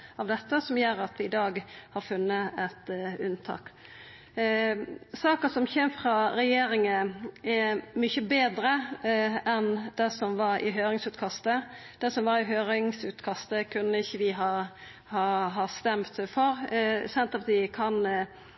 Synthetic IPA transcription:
ɑʋd̪ɛt̪ːəsɔmjøːɾɑt̪ʰʋɪɪd̪ɑːɡhɑʁfʉnːəɛt̪ʉnt̪ʰɑ̰ːk | sɑːkəsɔmçeːmfʁɑɾɛjeːɾɪŋəɛmʏçəbeːd̪ɾəʔɛnd̪̥ɛsɔmʋɑɾɪ̰ɦøːɾɪŋsʉːt̪kʰɑst̪ə | d̪̥ɛsɔmʋɑɾɪɦøːɾɪŋsʉːt̪kʰɑst̪əkʰʉnːəɪçːəʋɪɦɑ | hɑɦɑst̪ɛmt̪fɔɾsɛnt̪ɑt̪ɪkʰɑn

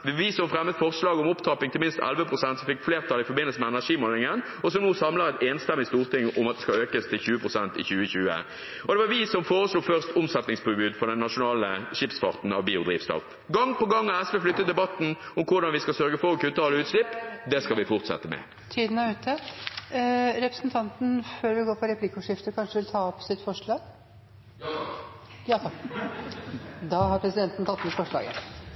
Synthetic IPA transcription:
ʋɪʋɪsɔmfɾɛmːət̪fɔʁslɑːɡəɔmʊpt̪ʰɑːpɪŋt̪ɪmɪnst̪ɛ̰lʋəpʰʁʊsɛnt̪sɔfɪkfleːʁt̪ʰɑlɪfɔbɪnːəlsəmɛɛnæʂiːmoːlɪŋən | ɔs̬ɔmnuːsɑmləɾɛt̪eːnst̪ɛmːɪst̪uːʁt̪ʰɪŋʊmɑt̪d̪ɛskɑøːkəst̪ʰɪlçʉːəpʰʁʊsɛnt̪ɪ̰çʉːəçʉːə̰ | ɔd̪ɛʋɑɾʋɪsɔmfoːɾəsluːfœʁst̪ʊmsɛt̪nɪŋspʰʊbʉːd̪fɔʁd̪ɛnːɑʂʊnɑːləʂɪpsfɑ̰ʁt̪n̩ɑʋbiːʊd̪ʁiːʋst̪ɔ̰f | ɡɑŋpɔɡɑŋːɑɛsʋɛflʏt̪ːət̪̚d̪ɛbɑt̪ːn̩ʊmkʰʊɾd̪ɑnʋɪskɑlsœɾɡəfɔɾɔkʰʉːt̪ʰɑːləʉːt̪slɪpːd̪ɛskɑlʋɪfʊʁt̪sɛ̰t̪ːəmɛ̰ | t̪ʰiːd̪ənɑʉːt̪ʰə | ɾɛpɾəsn̩t̪ʰɑnt̪n̩føːɾʋɪlɡoːɾpʰɔɾɛpʰlɪkʊʂɪft̪əkʰɑnʂəd̪ʋɪlt̪ʰɑːɔpsɪt̪ːfɔʂɭɑːɡ | jɑt̪ | d̪ɑhɑɾpʰɾɛsɪd̪ɛnt̪n̩t̪ʰɑt̪ːd̪fɔʂɭɑ̰ːɡə

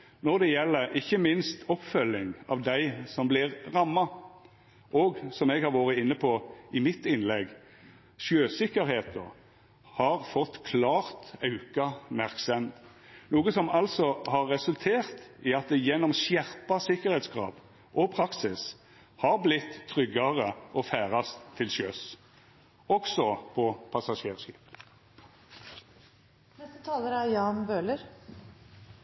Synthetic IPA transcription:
nɔʁd̪ɛjɛlːəɾɪçːəmɪnst̪ɔpfœlːɪŋɑ̰ːʋd̪æɪsɔmblɪʁʁɑmːɑ | ʔɔɡsɔmɛɡhɑɾʋoːʁəɪnːəpʰɔɪmɪt̪ːɪnlɛɡ | ʃøːsɪkːəɾheːt̪ə̰ | hɑʁfɔt̪ːkʰlɑːʁt̪ɑʉkɑmæʁksɛmt̪ | nuːɡəsɔmɑlsɔhɑʁːɛsʉlt̪ʰeːʁt̪ɪɑt̪̚d̪ɛjɛnːɔmsjæʁpɑsɪkəɾhɛt̪sɡʁɑ̰ːb | ʔɔpʰʁɑksɪs | hɑʁblɪt̪ʰːʁʏɡːɑʁəʔɔfæːʁɑst̪ʰːɪlsøːs | ɔksɔpʰɔpʰɑsɑʃeːʁʃḭːp | nɛst̪ət̪ʰɑːləɾæjɑːnbøːləɾ

